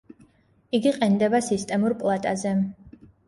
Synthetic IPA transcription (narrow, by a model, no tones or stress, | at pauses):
iɡiqʼɛnd̪ɛbasist̪ʼɛmuɾpʼlˠat̪ʼazɛ